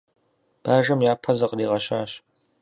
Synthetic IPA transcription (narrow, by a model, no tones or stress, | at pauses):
b̥aːʐɐmjaːpʰɐzɐqəriːʁɐɕaːɕ